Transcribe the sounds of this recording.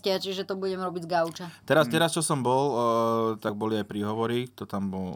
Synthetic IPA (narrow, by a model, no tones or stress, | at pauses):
cɪat͡ʃiʒɛt̪ɔbuɟɛmɾɔbiɟzɡawt͡ʃat̪ɛɾast̪ɛɾast͡ʃɔsɔmbɔlt̪aɡ̚bɔliajpɾiːɦɔʋɔɾit̪ɔt̪ambɔl